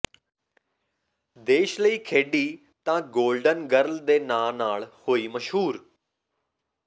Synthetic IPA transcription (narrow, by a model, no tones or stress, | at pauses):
d̪eːʃləiːkʰeːɖiː | t̪ãːɡoːlɖənɡəɾld̪eːnaːnaːlhoːiːməʃɦuːɾ